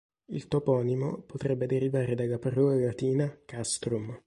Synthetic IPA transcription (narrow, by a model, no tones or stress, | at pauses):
ḭlt̪opɔnimo̰pot̪ɾɛbːed̪eɾivaːɾed̪alːaparːɔːlalat̪iːnakast̪ɾum